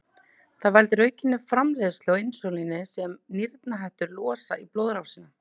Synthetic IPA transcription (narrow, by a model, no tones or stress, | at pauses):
θaðvalt̪ɪɾœːɥcɪnːɪfɾamlɛːðʏst̪lɣwensowlinɪsɛmniɾt̪naɦajht̪ʏɾlɔːsa̰iploːwðɾawsinːa